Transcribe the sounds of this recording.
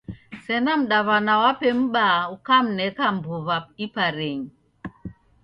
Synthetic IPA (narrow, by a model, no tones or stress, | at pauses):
sɛnam̩ɗaβanawapɛm̩ɓaukam̩nɛkam̩bɔβap̚ipaɾeɲi